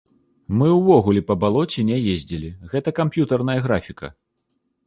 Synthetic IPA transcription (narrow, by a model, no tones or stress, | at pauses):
mɨwvɔɣulʲɛpɐbalˠɔt͡sʲɛnʲɛjezʲd͡zʲilʲiɣɛt̪ɐkampjut̪ɐrnɐjɐɣɾafʲikɐ̰